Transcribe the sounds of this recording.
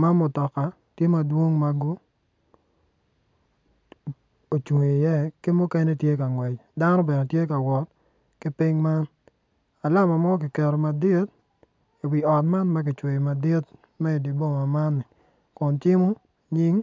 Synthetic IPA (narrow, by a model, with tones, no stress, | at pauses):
ma˦mʊ˨tɔ˨ka˨ | tje˦ma˨dwo˦ŋma˦ɡo˦ | o˨t͡ʃe˨e˨jɛ˦kɪ˦mʊ˦kɛ˦nɛ˦tje˦ka˨ŋwɛ˨t͡ʃda˦nɔ˦bɛ˨nɛ˨tje˦ka˨wɔ˨t̚ | kɪ˦pɪ˦ŋma˦n | a˨la˦ma˨mɔ˦k̬ɪ˨kɛ˨ɾɔ˨ma˨di˦t̚ | i˨wi˨ɔ˨tma˦nma˦k̬ɪ˨t͡ʃwe˨i˨ma˨dɪ˦t | mɛ˦i˨di˨bo˦ma˨ma˦nːɪ˨ | kʊ˨nt͡ʃɪ˦mʊ˦ | ɲi˦ŋ